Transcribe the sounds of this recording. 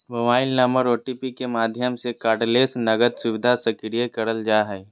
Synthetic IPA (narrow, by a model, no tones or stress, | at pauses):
mɐbaːɪlnaməɾoːʈipikemaːd̪ʱjəmsekaːɖleːsnɐɡəd̪sʊʋɪd̪ʱasɐkɾijekɐɾəld͡ʒaːɦɛː